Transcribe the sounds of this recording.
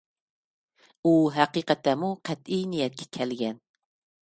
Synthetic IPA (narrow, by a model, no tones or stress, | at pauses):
uɦæqiqɑt̪ʰːæmuqʰæt̪ijnijɛt̪̚kʲʰɛ̥kʲʰælɡʲɛn